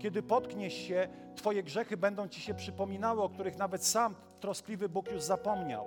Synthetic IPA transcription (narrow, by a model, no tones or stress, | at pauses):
kʲɛd̪ɘpɔt̪kɲɛɕːɛt̪fɔjɛɡʐɛxɘbɛnd̪ɔ̃w̃t͡ɕiɕɛpʂɘpɔmʲinawɘɔk̚t̪uɾɘxnavɛt̪sam | t̪ɾɔsklʲivɘbukjuʐzapɔmɲa̰w